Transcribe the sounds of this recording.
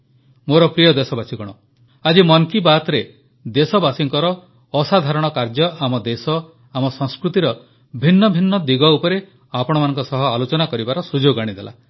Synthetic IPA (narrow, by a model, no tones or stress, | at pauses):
moɾɔpɾijɔd̪esɔbasikɔɽ̃ɔ | ad͡ʒimɔŋkibat̪ɾe | d̪esɔbasiŋkɔɾɔː | sad̪ʱaɾɔɽ̃ɔkaɾd͡ʒɔamɔd̪esɔ | amɔsɔŋskɾut̪iɾɔ | bʱinːɔbʱinːɔd̪iɡɔupɔɾe | apɔɽ̃ɔmanɔŋkɔsɔɦɔalot͡ʃɔnakɔɾibaɾɔsud͡ʒoɡaɽ̃id̪ela̰